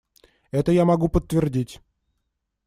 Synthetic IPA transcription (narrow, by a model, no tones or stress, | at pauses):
ɛt̪əjamɐɡupət̪ːvʲɪrdʲitʲ